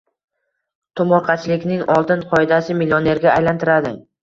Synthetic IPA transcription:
t̪ʰʊmɒɾqʰɑt͡ʃʰɪlɪkʲnɪŋɒlˠt̪ɪnqʰɒɪd̪asɪmilʲione̞ɾɡʲaːjlant̪ʰɪɾad̪ɪ

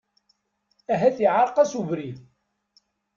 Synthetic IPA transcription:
æɦæθiʕaɾˤqæsuvɾið

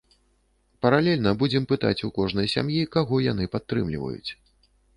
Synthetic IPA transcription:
pɐɾalʲɛlʲnɐbud͡zʲɛmpɨt̪a̰t͡sʲukɔʐnɐjsʲa̰mjikaɣɔjan̪ɨpat̪ːɾɨ̰mlʲḭvɐ̰jṵt͡sʲ

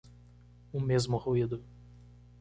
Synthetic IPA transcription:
ʊmezmʊhuid̪ʊ

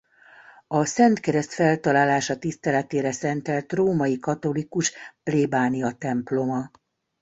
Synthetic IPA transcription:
ɒsɛnt̪kɛɾɛst̪fɛlt̪ɒlaːlaːʃɒt̪ist̪ɛlɛt̪eːɾɛsɛnt̪ɛlt̪roːmɒjikɒt̪o̞likuʃpleːbaːnijɒt̪ɛmplo̞mɒ

